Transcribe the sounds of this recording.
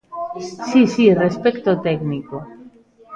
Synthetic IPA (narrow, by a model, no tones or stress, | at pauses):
sisirespekt̪ot̪eɡniko